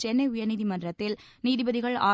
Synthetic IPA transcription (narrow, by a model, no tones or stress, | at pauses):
t͡ʃɛnːɐɪʊjɐniːðimɐndrɐt̪ːɪl | niːðɪbɐðɪɣɐɭa̰ː